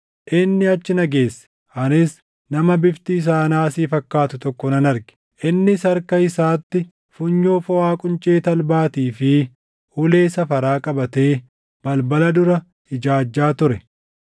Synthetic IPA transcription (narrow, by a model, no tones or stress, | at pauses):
ʔɪnːɪɐt͡ʃːɪnɐɡe̞ːsːɛ̥ | ʔɐnɪs | nɐmɐbɪft̪ɪːs̬aːnaːsiːfɐkːaːt̪ʊt̪ɔkːɔnɐnɐɾɡɛ̥ | ʔɪnːɪsɐɾkɐɪsaːt̪ːɪ | fʊɲːoːfɔwaːkʼʊnt͡ʃʼe̞ːt̪ɐlbaːt̪iːfɪ | ʊle̞ːsɐfɐɾaːkʼɐbɐt̪e̞ː | b̥ɐlbɐlɐd̪ʊɾɐ | hɪd͡ʒaːd͡ʒːaːt̪ʊɾɛ